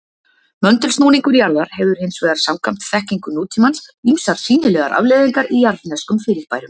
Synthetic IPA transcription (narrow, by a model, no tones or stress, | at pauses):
mœnt̪ʏlsnuːniŋkʏɾjaɾðaɾ̥hɛvðʏɾ̥hɪnsvɛːðaɾ̥sawmkʰam̥t̪θɛhciŋkʏnuːt̪ʰimansimsaɾ̥siːnɪlɛːɣaɾʔa̰vlɛðiŋkaɾijaɾnɛskʏmfɪɾɪɾ̥paːjɾʏm